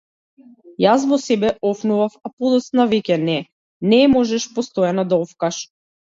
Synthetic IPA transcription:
jas̬vɔsɛbɛɔfnuvafapɔd̪ɔt̪snavɛcʲɛnɛ | nɛmɔʒɛʃpɔst̪ɔjanad̪aɔfkaʃ

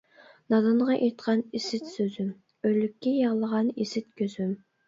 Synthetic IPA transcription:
nɑd̪ɨnʁɑʔeɾt̪qʰɑnisɪt̪søzym | øjlːykʲːɛjɑʁlˠəʁɑnisɪt̪̚kʲʰøzym

